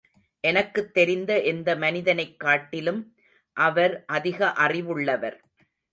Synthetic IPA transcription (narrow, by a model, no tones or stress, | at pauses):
ʔɛnɐkːɯt̪ːɛɾɪnd̪ɐʔɛnd̪ɐmɐnɪðɐnɐɪkːaːʈːɪlɯm | ʔɐʋɐɾʔɐðɪɣɐʔɐrɪʋɯɭːɐʋɐɾ